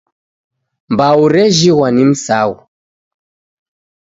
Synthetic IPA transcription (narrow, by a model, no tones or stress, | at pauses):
mbauɾɛʒiwanim̩sawu